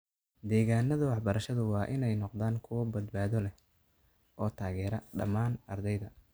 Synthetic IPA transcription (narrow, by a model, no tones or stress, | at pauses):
d̪ɛːɣaːnɐðɐwɑħbɐɾɐʃɐðʊwɑːʔɪnɛjnɔqðaːŋkʰʊwɐbɐd̪baːðɔlɛ | ʔɔːt̪ʰaːɣɛːɾɐɖɐ̰maːnɐrd̪ɛjðɐ